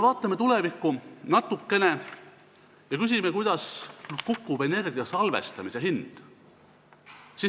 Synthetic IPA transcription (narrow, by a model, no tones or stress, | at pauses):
evɑːt̪ːˑɑme̞t̪ule̞vikːunɑt̪ːˑukːe̞ne̞ | jɑkys̬ʲimekujd̪̥ɑskukːube̞ne̞rɡiɑsɑlve̞̰st̪ɑmise̞ɦind̪̥ | si